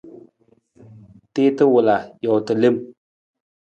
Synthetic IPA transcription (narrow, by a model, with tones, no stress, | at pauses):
te˦tɨ˦wʊ˨la˨jɔ˨tɨ˨le˦m